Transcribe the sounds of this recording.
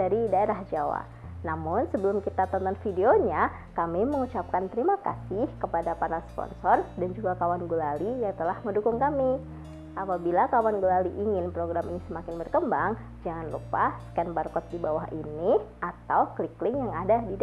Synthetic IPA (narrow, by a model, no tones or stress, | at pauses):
aɾidaeɾahd͡ʒawa̰ | namʊnsəbəlʊmkit̪at̪ɔnt̪ɔnfideoɲa | kamiməŋut͡ʃap̚kant̪əɾimaka̰sɪhkəpadapanalspɔ̰nsɔrdand͡ʒuɡakawanɡulalijaŋt̪əlahməndukʊŋkami | ʔapabilakawanɡulaliʔːŋɪnpɾoɡɾaminisəmakɪnbərkəmbaŋ | d͡ʒaŋanlṵpasə̥kɛnbarkɔt̪̚dibawaɦʔiniʔat̪awkəliklɪŋjaŋadadid